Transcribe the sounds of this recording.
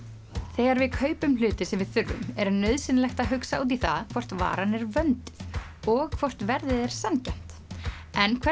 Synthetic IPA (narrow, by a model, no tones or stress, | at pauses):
θɛːɣaɾvɪðkʰœːɥpʏmlʏːt̪ɪsɛmvɪðθʏɾvʏ̰mɛɾanœɥðsɪnlɛxt̪aðɦʏksaat̪̬iθaðkʰvɔr̥t̪va̰ːɾanɛɾvœnt̪ɪ̥ð | ɔɣkʰvɔr̥t̪vɛɾðɪðɛɾ̥sancɛn̥t̪ɛnkʰvɛ